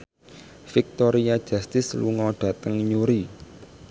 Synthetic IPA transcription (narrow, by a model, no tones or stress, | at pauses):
fɪk̚t̪oɾiḁd͡ʒ̥ast̪ɪslṵŋɔɖ̥a̤t̪əŋɲuɾi